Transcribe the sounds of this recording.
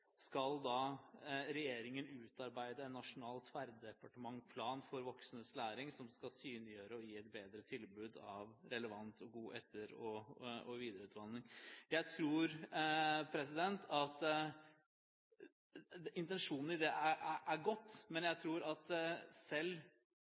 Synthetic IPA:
skɑld̪ɑ | ɾɛjeːɾɪŋənʉːt̪ɑɾbæɪd̪əɛnːɑʂʊnɑːlt̪ʰʋæɾd̪d̪ɛpɑʈəmɑŋpʰlɑːnfɔɾʋɔksn̩əslæːɾɪŋsɔmskɑlsyːnɪjøːɾəɔiːɛt̪̚beːd̪ɾət̪ʰɪlbʉːd̪ɑʋɾɛləʋɑnt̪ʰɔɡuːʔɛt̪ʰːəɾɔɔʋiːd̪əɾʉːt̪ʋɑnːɪŋjæɪt̪ʰɾuːɾ | pʰɾɛsɪd̪ɛnt̪ʰɑt̪ | ɪnt̪ɛnʂuːnn̩ɪd̪ɛʔææʔæɡɔt̪ːmɛnjæɪt̪ʰɾuːɾɑt̪sɛlː

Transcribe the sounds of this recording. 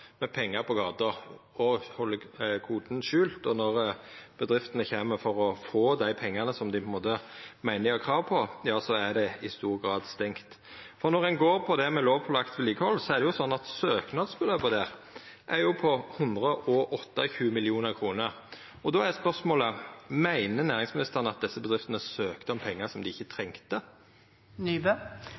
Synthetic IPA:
mɛpʰɛŋːɑpʰɔɡɑːt̪əʁɔhɔlːəkʰuːd̪n̩ʃʉːlt̪ɔnɔʁb̥əd̪ʁɪft̪ənəçeːməfɔɾɔfoːd̪æɪpʰɛŋːɑnəsɔmd̪ɪpʰʊɪnmoːt̪əmæɪnəɑkʰʁɑːʋpʰɔjɑːsɔæd̪ɛɪst̪uːʁɡɾɑːd̪st̪ɛŋkt̪ | fɔʁnɔʁɛnɡoːɾpʰɔd̪ɛmɛloːʋpʰɔlɑkt̪ʋɪliːɡəhɔlːsɔæʁd̪ɛjʊsɔnːɑt̪søːknɑd̪sbəløːbəd̪ɛːʁ | ʔæɾjʊpʰɔhʉnd̪ʁəʔɔʔɔt̪ːɑçʉːmɪlɪuːnəʁkʰʁuːnəʁ | ɔd̪ɔːæspœʁsmoːləmæɪnənæːʁɪŋsmɪnɪst̪əʁənəɑt̪̚d̪ɛsːəbəd̪ʁɪft̪ənəsøːkt̪əɔmpʰɛŋːəsɔmd̪ɪɪçːət̪ʰɾɛŋt̪ə | nb

